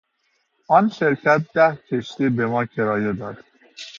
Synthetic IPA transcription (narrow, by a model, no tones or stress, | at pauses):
ʔɒːnʃeɾcʰæt̪̚d̪̥æhcʰeʃt̪iːbemɒːcʰeɾɒːjed̪ɒːd̪̥